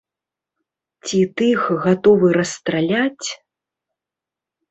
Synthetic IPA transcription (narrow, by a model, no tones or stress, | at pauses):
t͡sʲit̪ɨxɣat̪ɔvɨɾɐst̪ɾalʲat͡sʲ